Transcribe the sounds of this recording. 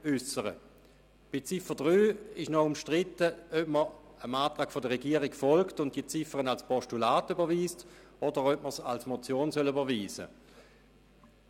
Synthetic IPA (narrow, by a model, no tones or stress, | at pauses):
ʏsəʁə̰ | b̥ɪt͡sɪfədʁyːɪʃnɔʊmʃtʁɪtəœpməʁ | əmaːtʁaːkfodəʁɛɡiːəʁɪkfɔlktʊnt̚d̥iət͡sɪfəʁənalspɔʃtulaːtybɐviːst | ɔdəʁœp̚məsalsmot͡sjoːnsœlybɐviːzə̰